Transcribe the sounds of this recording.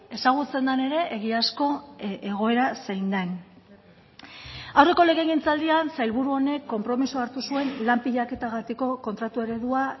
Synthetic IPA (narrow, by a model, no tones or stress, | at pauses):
e̞saɣ̞ut͡se̞nd̪ane̞ɾe̞ʔeɣ̞iasko̞eɣ̞o̞e̞ɾasejnd̪en | awre̞ko̞le̞ɣeɣint͡sald̪iansajlβuɾuo̞ne̞kːo̞mpɾo̞misoaɾt̪usue̞nlampiʎake̞t̪aɣ̞at̪iko̞ko̞nt̪ɾat̪ue̞ɾe̞ðua